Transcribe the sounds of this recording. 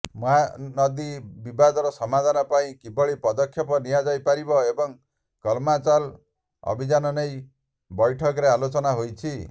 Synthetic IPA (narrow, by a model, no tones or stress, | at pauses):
mɔɦanɔd̪ibibad̪ɔɾɔsɔmad̪ʱanɔpaĩkibɔɭipɔd̪ɔkʰjɔpɔnijad͡ʒajpaɾibɔebɔŋ | kɔlmat͡ʃal | ɔ̰bʱid͡ʒanɔnej | bɔjʈʰɔkɔɾealot͡ʃɔnaɦojt͡ʃʰi